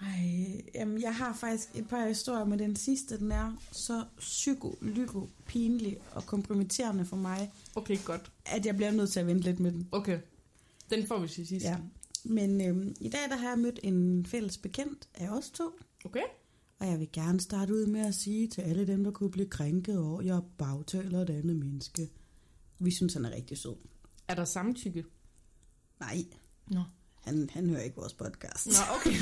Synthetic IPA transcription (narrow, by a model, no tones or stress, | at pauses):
ɑɪjæmnjɑ̈ɪɦɑ̈fɑ̈ɡ̥̚d̥isɡ̥e̝d̥̚pʰɑ̈hisd̥o̝ɐ̰jɐmed̥ensisd̥əd̥enæɐsɒ̽syɡ̥olyɡ̥opʰiːnəliʔɒ̽kʰɒ̽mpʰʁomit͡sʰe̝̰ɐnəfɒ̽mɑ̈ɪokʰeɡ̥ɒd̥ʔæd̥jɑ̈ɪbliɐnøð̰ˠt͡sʰe̝ɐʋend̥əle̝d̥med̥emokʰe | d̥enfɒ̰ʋisisisjæmenømid̥ɛ̰ːd̥æɦɑ̈jɑ̈ɪmød̥e̝nfel̰əsb̥e̝kʰen̰d̥ʔæɒ̽st͡sʰo̝̰ːokʰe | ɒ̽jɑ̈ɪʋe̝ɡ̥æɐnəsd̥ɑ̈ːɾ̥əuð̞̰ˠmeæsiːt͡sʰe̝læləd̥emd̥ɑ̈kʰub̥liːkʰʁaŋɡ̥ð̞̩ˠɒʊ̰jɐb̥ɑ̈ʊt͡sʰɛ̰ːlɐeɾænð̩ˠmenəsɡ̥ə | ʋisynshænæɐʁɛɡ̥̚d̥iso̰ð̰ˠæɐɾ̥ɑ̈sɑ̈mn̩t͡sʰyɡ̥ə | nɑ̈ɪ̰ | hænhænhø̰ːɐe̝ɡ̥əʋɒ̰ːspʰɒ̽d̥kʰɑ̰̈ːsd̥okʰe